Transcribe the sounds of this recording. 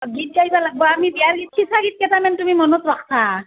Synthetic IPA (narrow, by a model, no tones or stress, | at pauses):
ɡit̚kaibalaɡ̚bɔamibiaɹɡit̚kʰisʰaɡit̚kɛtamɛntumimɔnɔtɹakʰsʰa